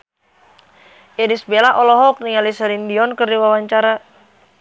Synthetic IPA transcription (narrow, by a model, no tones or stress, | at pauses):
ʔɛdisbelaʔɔlɔɦɔk̚niŋalisɛɾindiɔnkərdiwawaɲt͡ʃaɾa